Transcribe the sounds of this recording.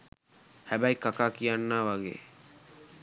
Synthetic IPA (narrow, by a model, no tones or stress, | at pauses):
hæbæjkakaːkijanːaːʋaɡḛː